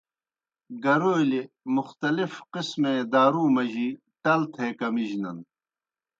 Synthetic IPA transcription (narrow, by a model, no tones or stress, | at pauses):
ɡɐɾoːjle | muxt̪ɐlifqismẽːd̪aːɾuːmɐʑiː | ʈɐlt̪ʰeːkɐmiʑnɐn